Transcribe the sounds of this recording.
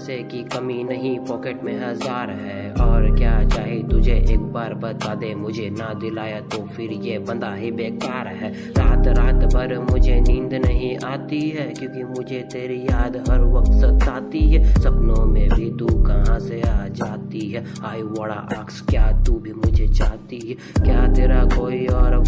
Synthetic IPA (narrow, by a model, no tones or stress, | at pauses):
sekikɐminɐɦĩpɔːkeːʈmẽɦɐzaːɾɦɛ | ɔːɾkjaːt͡ʃaːɦit̪ʊd͡ʒʱeʔeːk̚baːɾbɐt̪aːd̪emʊd͡ʒʱenɐd̪ɪlaːjat̪ofɪɾjebɐ̃nd̪aɦibeːkaːɾɦɛː | ɾaːt̪ɾaːt̪pɐɾmʊd͡ʒʱenĩːnd̪nɐɦĩʔaːt̪iɦɛkjõːkimʊd͡ʒʱet̪eːɾijaːd̪ɦɐɾʋɐk̚t̪set̪aːt̪iɦɛsɐpnõmẽbʱit̪ukɐɦãseaːd͡ʒaːt̪iɦɛː | aːibəɽa̰ʔaːkskjaːt̪ubʱimʊd͡ʒʱet͡ʃaːɦt̪iɦɛ | kjaːt̪eːɾakoːiɔːɾ